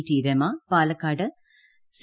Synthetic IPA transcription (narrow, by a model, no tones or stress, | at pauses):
ʈiːɾemapaːlɐkːaːɖɨ | s